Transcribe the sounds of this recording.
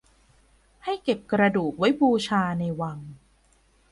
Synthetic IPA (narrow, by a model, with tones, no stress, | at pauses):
ha˥˩jke˨˩p̚kɾa˧duː˨˩k̚wa˦˥jbuː˧t͡ɕʰaː˧na˧jwa˧ŋ